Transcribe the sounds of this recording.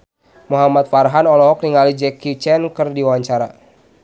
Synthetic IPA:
muɦamat̪̚farɦanɔlɔɦɔk̚niŋalid͡ʒɛkit͡ʃɛnkərdiwawaɲt͡ʃaɾa̰

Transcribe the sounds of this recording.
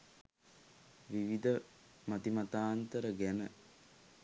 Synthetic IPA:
ʋiʋid̪ə | mat̪imat̪aːnt̪əɾəɡænə

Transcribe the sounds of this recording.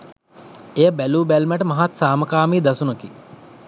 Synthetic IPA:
ejəbæluːbælmæʈəmaɦat̪saːməkaːmiːd̪asunəki

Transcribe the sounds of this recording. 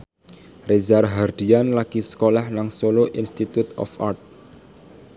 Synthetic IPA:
rezarɦard̪̥ianlaɡ̥isə̥kolahlaŋsoloʔinst̪it̪ut̪ɔ̰fa̰rt̪̚

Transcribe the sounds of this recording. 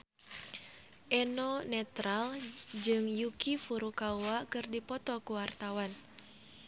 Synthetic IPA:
ʔɛnɔnɛt̪ɾald͡ʒɨŋjukifuɾukauwakɨrdipɔt̪ɔkuwart̪awan

